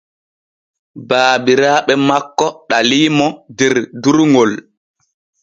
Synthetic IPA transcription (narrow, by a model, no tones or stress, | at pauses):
baːbiɾaːɓɛmakːɔɗaliːmɔdɛɾduɾŋɡol